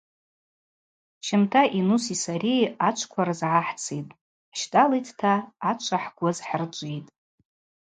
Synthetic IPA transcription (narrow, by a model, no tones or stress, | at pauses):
ʃɪmtʰaʔinusisaɾiat͡ʃʷʰkʷʰaɾazʕaħt͡sʰitʼ | ʃtʼalitʰtʰaːt͡ʃʷʰaħɡ̥ʷazħərt͡ʃʷʼijtʼ